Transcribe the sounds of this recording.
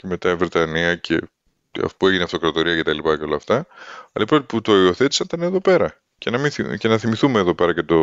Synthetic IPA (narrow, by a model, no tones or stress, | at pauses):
ce̞me̞t̪ɐivɾe̞t̪ɐniɐcʰe | ɐ̰pue̞ʝineɐft̪o̞kɾɐt̪o̞ɾiɐce̞t̪ɐlipɐceo̞lɐft̪ɐɐ̰lɐipɾot̪iput̪o̞io̞θe̞t̪i̥sɐnt̪ɐneðo̞pe̞ɾɐ | cenɐmiθce̞nɐθimiθume̞ːðo̞pe̞ɾɐcet̪o̞